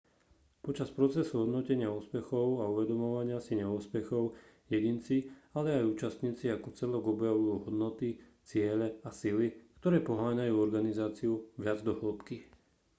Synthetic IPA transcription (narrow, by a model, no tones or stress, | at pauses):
pɔt͡ʃaspɾɔt͡sɛsuɦɔd̪nɔcɛɲɪauspɛxɔʊauʋɛd̪ɔmɔʋaɲɪasiɲɪɛuːspɛxɔʊ | jɛɟint͡sialɛajuːt͡ʃast̪ɲiːt͡siakɔt͡sɛlɔɡɔbjaʋujuɦɔd̪nɔt̪it͡sɪɛʎɛasilikt̪ɔɾɛːpɔɦaːɲajuːɔɾɡanizaːt͡siuʋɪad͡zd̪ɔɦɔlˠpki